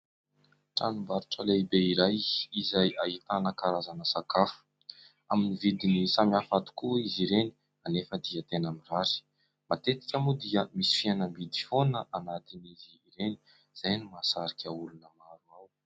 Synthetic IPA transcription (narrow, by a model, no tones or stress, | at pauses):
ʈ͡ʂanumbaɾuʈ͡ʂəlebeiɾajizajait̪anəkaɾazanəsakafu̥ | aminivid̪inisamiafat̪u̥kuiziɾeni̥ | anefəd̪iət̪enamiraɾi̥ | mat̪et̪i̥kʲamud̪iəmisi̥fianəmbid̪ifonəʔanat̪iniziːɾeni̥ | z̥ajnumasaɾikʲaulunəmaɾuaw